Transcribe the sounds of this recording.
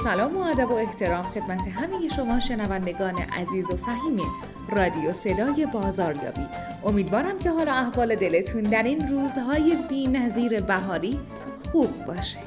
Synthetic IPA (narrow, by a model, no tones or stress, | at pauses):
sælɒːmoæd̪æbo̞e̞ht̪ʰe̞ɾɒːmxe̞d̪̥mæt̪ʰe̞ɦæmeje̞ʃo̞mɒːʃe̞nævænd̪e̞ɡɒːnḛʔæ̰ziːzo̞fæɦiːmi | rɒːd̪ijo̞se̞d̪ɒːje̞bɒːzɒːɾjɒ̰ːbiː | ʔo̞miːd̪vɒːɾæmcʰe̞ɦɒːlɒːæhvɒːle̞d̪e̞le̞t̪ʰund̪æɾiːnruːzɦɒːje̞biːnæziːɾe̞bæɦɒːɾiː | xuːb̚ːɒːʃe̥d̪̥